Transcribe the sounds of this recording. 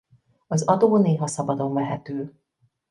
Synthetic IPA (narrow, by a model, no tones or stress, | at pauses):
ɒzɒd̪oːneːɦɒsɒbɒd̪o̞ɱvɛɦɛt̪øː